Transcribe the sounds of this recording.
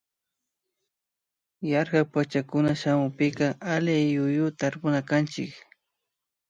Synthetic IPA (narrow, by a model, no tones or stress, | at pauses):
jaɾɢapat͡ʃakʊnaʃamʊpɪkaʔalɪjʊjʊt̪aɾpʊnakant͡ʃɪk